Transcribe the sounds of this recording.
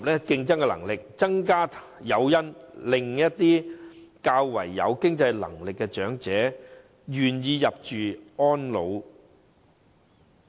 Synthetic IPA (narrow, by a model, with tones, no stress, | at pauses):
p̚lɛː˥kɪ˧ŋt͡sɐ˥ŋkɛ˧lɐ̰˨˩ŋlɪ˨k̚t͡sɐ˥ŋkaː˥ | jɐ˨˧wjɐ˥nlɪ˨ŋjɐ˥t̚t̪ːiː˥kaː˧wːɐ̰˨˩jːɐ̰˨˧wkɪ˥ŋt͡sɐ˧jlɐ̰˨˩ŋlɪ˨kːɛ˧t͡ʃœː˨˥ŋt͡sɛː˨˥ | jɥyː˨njiː˨˧jɐ˨p̚t͡ʃyː˨ɔː˥nlo˨˧w